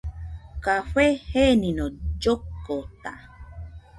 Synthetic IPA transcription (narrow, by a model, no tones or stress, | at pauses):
kaɸʷeheninod͡ʒokːot̪a̰